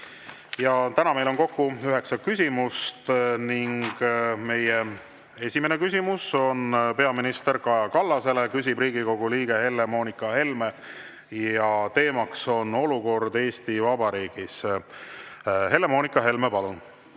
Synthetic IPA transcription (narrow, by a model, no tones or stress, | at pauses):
jɑt̪ænɑme̞jlo̞nko̞kːuyɦe̞ksɑkysʲimust̪niŋɡ̥me̞je | e̞sʲime̞nekys̬ʲimuso̞npe̞ɑminist̪e̞ɾkɑjɑkɑlːɑse̞le̞kys̬ʲibriːɡiko̞ɡ̥uliːɡ̥e̞he̞lːe̞mo̞ːnikːˑɑhe̞lme̞ | jɑt̪e̞ːmɑkso̞no̞luko̞rd̪e̞ːst̪ivɑbɑɾiːɡ̥is | ɦe̞lːe̞mo̞ːnikːˑɑɦe̞lmepɑlun